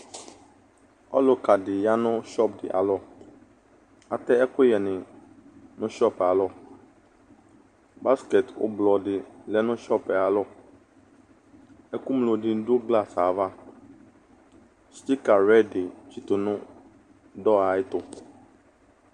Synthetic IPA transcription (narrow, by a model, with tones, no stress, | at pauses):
ɔ̰˦lʊ˨ka˨dɪ˨ja˦nʊ̃˦ʃɔ˦˨pdɪ̰˨ʔa̰˨lɔ˦ | a̰˨t̪ɛ˦ɛ˦kʊ˦jɛ˨nɪ̃˨ | nʊ̃˦ʃɔ˦˨pa˨lɔ˦ | ba˦skɛ˨tʊ̰˦blɔ˨dɪ˨lɛ˦nʊ̃˦ʃɔ˦pɛ˨a˨lɔ˦ | ɛ˦ku˦mlo˨dɪ˨˦do˦ɡla˦˨sa˨va˦ | st̪i˦ka˨ɾɛ˦˨ɖɪ˨t͡ʃi˨t̪ʊ˨nʊ̃˦ | dɔ˦a˨ɪ˦t̪ʊ˨